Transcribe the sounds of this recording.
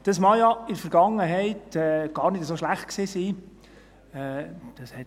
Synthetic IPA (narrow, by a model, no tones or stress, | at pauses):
d̥ɑsmɑjɑɪdəfəɾɡɑŋːəɦɛɪtɛːɡ̥ɑːɾnɪdəsoʃlæχt̚kseːsiː | ɛd̥ɑshɛt